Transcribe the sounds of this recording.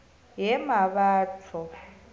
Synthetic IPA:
jɛmaβaːtʰɔ

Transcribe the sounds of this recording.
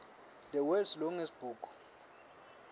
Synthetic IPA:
d̪ɛwɛlslɔŋesb̥uːkʰʼu̥

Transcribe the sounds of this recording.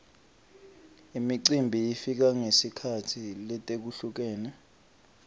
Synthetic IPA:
imiǀimbʱiifik̬aŋesikʰatʰilɛtʼek̬uɬuk̬ɛːnɛ

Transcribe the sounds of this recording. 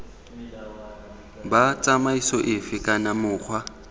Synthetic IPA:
bat͡sʼamaisɔʔɪfɪkʼanamʊːk͡xʰwa

